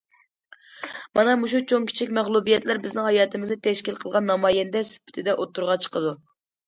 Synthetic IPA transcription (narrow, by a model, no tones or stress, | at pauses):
mɑnɑmuʃ̬ut͡ʃʰoŋkʲʰi̥t͡ʃʰikʲmæχlˠubijɛt̪læɾbɪznɪŋhɑjɑːt̪ʰɨmɪznɪt̪ʰɛʃkʲilqʰəlˠʁɑnːɑmɑːjɛnd̪ɛsy̥pʰːɪ̥t̪ʰɪd̪ɛʔot̪ʰːuɾʁɑt͡ʃʰə̥qəd̪u